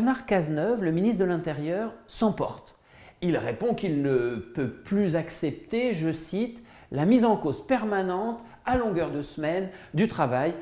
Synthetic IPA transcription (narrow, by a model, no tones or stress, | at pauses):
ʁnaʁkaznœvləminist̪d̪əlɛ̃t̪eʁjœʁsɑ̃pɔ̰ʁt̪ | ilʁepɔ̃kilnəpøplyzaksɛp̚t̪eʒəsit̪ | lamizɑ̃kozpɛʁmanɑ̃t̪ | alɔ̃ɡœʁd̪əsmɛnd̪yt̪χavaj